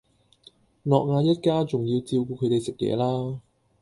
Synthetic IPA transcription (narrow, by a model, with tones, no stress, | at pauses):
lɔː˨k̚ŋaː˨˧jɐ˥t̚kaː˥t͡sʊ˨ŋji˧wt͡siː˧wkuː˧kʰɵ˨˧ɥt̪e˨jsɪ˨k̚jɛ̰ː˨˧laː˥